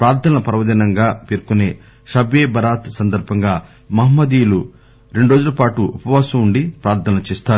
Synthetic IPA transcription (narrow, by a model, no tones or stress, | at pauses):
pɾaːɾt̪ʰɐnɐnɐpɐɾɐʋɐd̪ɐnɐŋɡaːpeːɾkuneː | ʃɐbjeːbʱɐɾaːt̪sɐnd̪ɐɾbʱɐŋɡaː | mɐɦɐmːɐd̪iːjlu | ɾe̞ɳɖuɾo̞ːd͡ʒulɐpaːʈuupɐʋaːsɐmuɳɖipɾaːɾt̪ʰɐnɐnɐt͡ʃeːst̪aːɾu